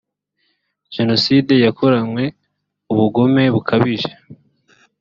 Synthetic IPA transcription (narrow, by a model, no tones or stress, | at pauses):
ʒ̥e̞no̞siːde̞jakʰoɾanwe̞ | uβuɡo̞me̞βukʰaβiʒe